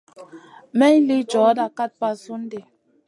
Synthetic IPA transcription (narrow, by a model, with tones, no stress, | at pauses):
mɛ˦ɲ˦li˦d͡ʒɔ˨˦da˦˨ka˦t̚pa˦so˦n̩˦de˨